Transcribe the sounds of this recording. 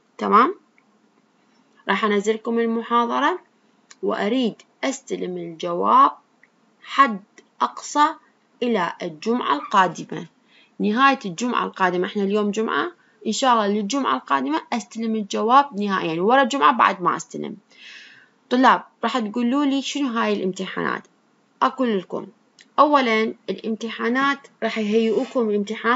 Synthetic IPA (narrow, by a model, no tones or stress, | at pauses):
t̪amaːm | ɾˤɑːħʔanazɪɾkʊmɪlmʊħɑːðˤɑɾˤɑ | wʔaɾiːd̪ʔast̪alɪmɪld͡ʒawaːb̚ | ħad̪ʔɑqsˤɑ | ʔɪlaɪld͡ʒʊmʕa̰lqɑːd̪ɪma̰ | nɪɦaːjad͡ʒʊmʕa̰lqɑːd̪ɪmaʔɪħnaljoːmd͡ʒʊmʕa̰ | ʔɪnʃɑːʔɑlˤːɑlɪld͡ʒʊmʕa̰lqɑːd̪ɪmaʔast̪alɪmɪld͡ʒawaːb̚nɪhaːʔɪjːanwɑɾˤɑd͡ʒʊmʕaba̰ʕd̪ma̰ʔa̰st̪a̰lɪ̰m | t̪ˤʊlːɑːb̚ɾˤɑːħt̪ɡuːlːuːliːʃɪnuɦaːjɪlʔɪmt̪ɪħa̰ːna̰ːt̪ | ʔaquːlɪlkʊ̰m | ʔawːalanʔɪlʔɪmt̪ɪħaːnaːt̪ɾˤɑːħjɦajːʔuːkʊmlɪmt̪ɪħaː